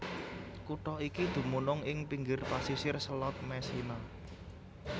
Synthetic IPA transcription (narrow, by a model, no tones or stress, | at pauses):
kuʈɔikid̪̥ṳmunʊŋɪŋpiŋɡɪrpasisɪrsəlɔt̪̚mɛsina